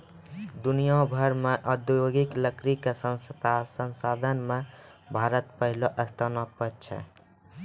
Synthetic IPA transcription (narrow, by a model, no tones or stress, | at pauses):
d̪unijabʱəɾmeʔəd̪joɡikləkɾikesənssənsad̪ʱənme | bʱaɾət̪pəɦiloʔəst̪ʰənɔpət̚t͡ʃʰɛ̰